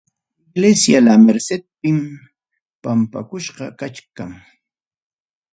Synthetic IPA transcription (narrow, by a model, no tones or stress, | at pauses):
ɪɡlesjalameɾsed̪̚pɪm | pampa̰kʊʃɢɑkat͡ʃkaŋ